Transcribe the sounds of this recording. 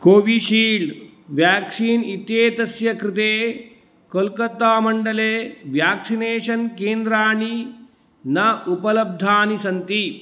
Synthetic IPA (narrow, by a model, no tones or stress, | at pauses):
koːʋiʃiːlɖ | ʋjaːksiːnit̪jeːt̪ɐsjɐkɾɪt̪eː | kolkɐt̪aːmɐɳɖɐleːʋjaːksineːʃɐnkeːnd̪ɾaːɳi | nɐupɐlɐb̚d̪ʱaːnisɐnt̪i